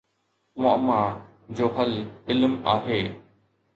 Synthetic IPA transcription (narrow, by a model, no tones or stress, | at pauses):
mʊma | d͡ʑoːɦɐlɪlmaːɦeː